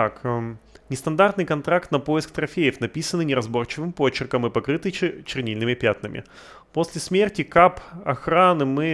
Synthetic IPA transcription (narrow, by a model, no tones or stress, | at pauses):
t̪aknʲɪst̪ɐnd̪art̪nɨjkɐnt̪ɾakt̪nɐpo̞jɪskt̪ɾɐfʲejəfnɐpʲisənɨnʲɪɾɐzbo̞rt͡ɕɪvɨmpo̞t͡ɕɪrkəmɨpɐkɾɨt̪ɨjt͡ɕɪrnʲilʲnɨmʲɪpʲat̪nɨmʲʔɪ̰ | po̞sʲlʲɪsmʲertʲɪkapɐxɾanɨmɨ